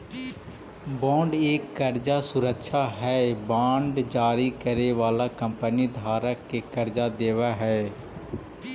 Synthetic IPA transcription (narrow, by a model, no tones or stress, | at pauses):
bɔ̃ːɳɖeːkːəɾd͡ʒasʊɾəkʃʰaɦɛːbãːɳɖd͡ʒaːɾikəɾeʋaːlakə̃mpənid̪ʱaːɾəkːekəɾd͡ʒad̪eːʋaɦɛː